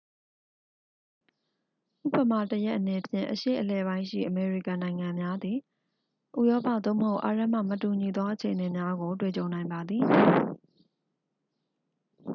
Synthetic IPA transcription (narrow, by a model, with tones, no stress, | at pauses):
ʔṵ˦˨pə˨ma˨təjɛ˦ʔːəne˨pʰjɪ̰̃˨ʔəʃḛ˦˨ʔəlɛ˨βã˦ɪ̃ʃḭ˦˨ʔəme˨ɹi˦˨kã˨nã˨ɪ̃ŋã˨mja˦d̪i˨ | ʔṵ˦˨jɔ˦pä̰˦˨t̪o˦˨məho˦ʊʔa̰˨ɹɛ˦ʔm̥ä̰˦˨mətu˨ɲi˨d̪ɔ˦ʔət͡ɕʰe˨ʔəne˨mja˦ɡo˨twe˦˨t͡ɕõ˨ʊ̃nã˨ɪ̃mba˨d̪ði˨